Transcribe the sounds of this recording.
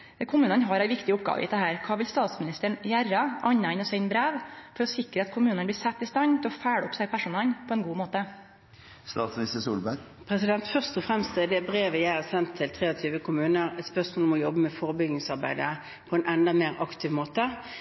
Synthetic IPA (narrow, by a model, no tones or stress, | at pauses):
kʰʊmʉːnənɦɑɾæɪʋɪkt̪ɪʊp̚ɡɑ̰ːʋə̰ʔɪ̰ːd̪ɛɦæːɾkʰɑːʋɪlst̪ɑːt̪smɪnɪst̪əɳjærɑʔɑɲːɑɪnɔsæɪnbɾeːʋfɔɾɔsɪkɾəɑt̪kʰʊmʉːnənbliːsɛt̪ːɪst̪ɑɲt̪ɪlɔfæːɽɔpsæɪpʰæʂʊnɛlpʰɔɛnɡuːmoːt̪ə | st̪ɑːt̪smnɪst̪əsṵːlbæ | pʰʁɛsɪd̪ɛnt̪fœʁst̪ɔfʁɛmst̪ɛd̪ɛbʁeːʋəjæɪɑʁsɛnt̪ʰːɪlt̪ʰʁeːɔt̪ʰyːʋəkʰʊmʉːnəʁɛt̪spœʁsmoːlmɔjɔbəmɛfɔʁbʏɡnɪŋsɑʁbæ̰ɪd̪ə | pʰɔɛnʔɛnd̪ɑmeːʁɑkt̪ʰɪːʋmoːt̪ə